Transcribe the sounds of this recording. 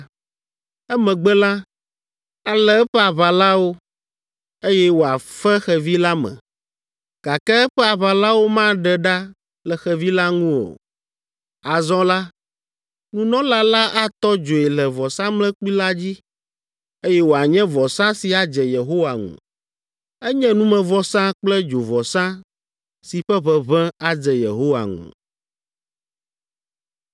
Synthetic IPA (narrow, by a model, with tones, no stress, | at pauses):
ɛ˦mɛ̃˨ɡ͡bɛ˦lã˦ | a˦lɛ˦ɛ˦ɸɛ˦a˨βa˨la˦wo˦ | e˦jɛ˦wo˨a˨fɛ˦xɛ˨vi˦la˦mɛ̰̃˨ | ɡ̥a˨kɛ˦ɛ˦ɸɛ˦a˨βa˨la˦wo˦mã˦ɖɛ˨ɖa˦ | lɛ˨xɛ˨vi˦la˦ŋũ˦wo̰˨ | a˨zɔ̃˦la˦ | nũ˦nɔ̃˦la˦la˦ʔa˦t̪ɔ˦d͡ʒo˨ɛ˨lɛ˨vɔ˨sã˦mlɛ̃˦k͡pi˦la˦d͡ʑi˦ | e˦jɛ˦wo˨a˨ɲɛ̃˦vɔ˨sã˦si˨a˨d͡ʒɛ˨je˨ɦo˦wa˨ŋṵ̃˨ | ɛ˦ɲɛ̃˦nũ˦mɛ̃˨vɔ˨sã˦k͡plɛ˦d͡ʒo˨vɔ˨sã˦ | si˨ɸɛ˦βɛ˦βɛ̃˦a˨d͡zɛ˨jḛ˨ɦo˦wa̰˨ŋṵ̃˨